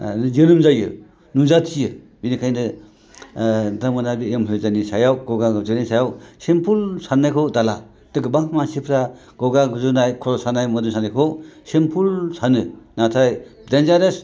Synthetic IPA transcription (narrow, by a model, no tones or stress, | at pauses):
nɯzenɯmzajɯ̰ | nuzatʰijɯ | binikʰajndɯ | damɯnabiemɦɯjzanisajawɡɔɡaɡzɯnajsajawsempʰulsanːajkʰowdala | d̥ɯɡɯbaŋmansipʰɾa | ɡ̥ɔɡaŋɡuzɯnajkʰɔɾɔsanajmɔdumsʰanajkʰowsempʰulsanɯnatʰajdenzaɾes